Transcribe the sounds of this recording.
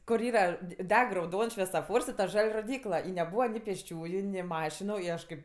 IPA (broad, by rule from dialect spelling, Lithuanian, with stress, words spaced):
kʊr ˈiːrɐ dʲɪ ˈdʲɛk rɐʊˈdoːns ʃʲʋʲɛsoːˈfoːrs ɪ tɐ ˈʒɐlʲ roːˈdʲiːklˠɐ ɪ nʲɛˈbuːʋɐ nʲɪ pʲeːsʲˈt͡ʃʲuːjʊ nʲɪ ˈmɑːʃʲɪnʊ ɪ ˈɐʃ kɐɪp